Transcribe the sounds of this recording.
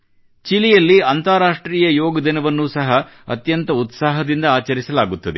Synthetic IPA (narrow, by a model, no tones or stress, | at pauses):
t͡ʃilijɐlːiɐnt̪aːɾaːʂʈɾiːjɐjoːɡɐd̪inɐʋɐnːuːsɐɦɐɐ̰t̪jɐnt̪ɐut̪saːɦɐd̪ind̪ɐaːt͡ʃɐɾisɐlaːɡut̪ːɐd̪e